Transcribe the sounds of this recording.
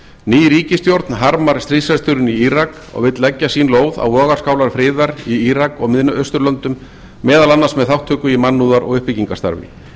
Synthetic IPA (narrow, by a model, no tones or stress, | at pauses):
niːjɾiːcɪst̪jowɾt̪nɦaɾmaɾ̥st̪ɾisɛɾ̥st̪ʏɾʏniiɾak | ɔ̰ɣvɪt̪lɛcːasiːnloːwða̰wlɔːɣaɾ̥skaːwlaɾ̥fɾɪːðaɾiiɾakɔɣmɪðnʔœst̪ʏɾlœnt̪ʏmː | ɛːðalanːḁsmɛðθawht̪ʰːœːkʏimanːuðaɾɔ̰ɣʏhpɪciŋkḁst̪a̰ɾvɪ̰